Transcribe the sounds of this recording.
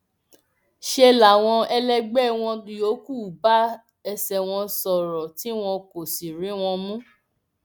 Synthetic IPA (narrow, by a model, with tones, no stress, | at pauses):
ʃe˧la˨w̃ɔ̃˧ɛ˧lɛ˧ɡ͡bɛ˦w̃ɔ̃˧jo˨˦ku˦˨ba˨˦ | ɛ˧sɛ˨w̃ɔ̃˧sɔ˨ɾɔ˨ti˦w̃ɔ̃˧ko˨si˨ɾĩ˨˦w̃ɔ̃˧mũ˦